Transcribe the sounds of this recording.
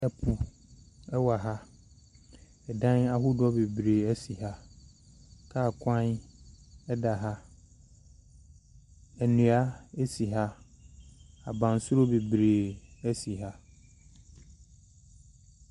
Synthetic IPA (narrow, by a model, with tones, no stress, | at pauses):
ɛ˨pʰu˨ | ɛ˦wa˨ɦa˦ | ɛ˨dã˦na˦ɦʊ˦dʊ˦ɔ˦be˨bɾeː˨æ˦si˨ɦa˦ | kʰa˦˨kʷʰã˦n | ɛ˦da˨ɦa˦ | æ˨nũ˨a˦e˦si˨ɦa˦ | a̰˨bã˨n˨sʊ˦ɾo˦be˨bɾeː˨æ˦si˨ɦa˦